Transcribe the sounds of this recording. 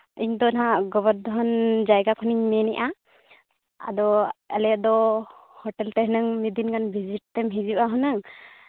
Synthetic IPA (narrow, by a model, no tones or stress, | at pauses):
iɲd̪ɔnaɦaɡɔβəɾd̪ɔɦɔnd͡ʒajɡakʰɔniɲmɛnɛʔa | a̰d̪ɔalɛjaʔ̚d̪ɔhɔʈɛlt̪ɛɦənɯŋmid̪inkʰanbʱid͡ʒiʈ̚t̪ɛmɦid͡ʒibaɦɔnɯŋ